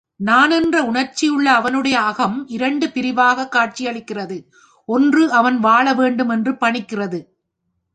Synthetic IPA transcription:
naːnɛndrɐʊɳɐɾt͡ʃːɪjɯɭːɐːʋɐnɯɽɐjɐːɣɐmɪɾɐɳɖɯpɪɾɪʋaːɣɐkːaːʈ̚t͡ʃɪjɐɭɪkːɪrɐðɯ | ʔɔndrɯʔɐʋɐnʋaːɭɐʋeːɳɖɯmɛndrɯpɐɳɪkːɪrɐðɯ

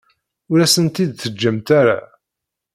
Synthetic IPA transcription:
ʊɾæsənt̪id̪θəd͡ʒːæmt̪aɾa̰

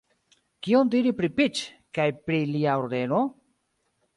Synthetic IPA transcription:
kiondiɾipɾipit͡ʃ | kajpɾiliaoɾde̞no̞

